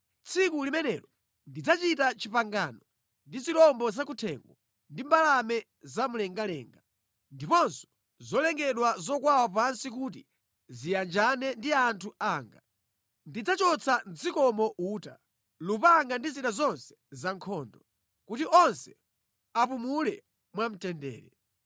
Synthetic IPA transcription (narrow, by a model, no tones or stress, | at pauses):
t͡sʰikulimɛnɛlɔ | ndid͡zat͡ʃitat͡ʃipaŋɡanɔ | ndizilɔmbɔzakutʰɛ̰ŋɡɔ | ndimbalamɛ | zamulɛŋɡalɛ̰ːŋɡa | ndipɔnsɔ̥ | zɔlɛŋɡɛɗwazɔkwawap̬ansik̬ut̬ḭ | zijand͡ʒanɛndiantʰuaːŋɡa | ndid͡zat͡ʃɔt͡sʰan̩d͡zikɔmɔʔuːta̰ | lupaŋɡandiziɗazɔnsɛ̥zaŋkʰɔːndɔ | kutiʔɔnsɛ | apumulɛ | mwam̩tɛndɛ̰ːɾɛ